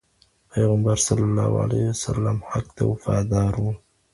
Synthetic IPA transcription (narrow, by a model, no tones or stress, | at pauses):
pʰejɣambaɾsˤɑlːɑlːɑ̰ːhʕa̰lehwasalːamħakt̪a̰wfaːd̪aːɾuːn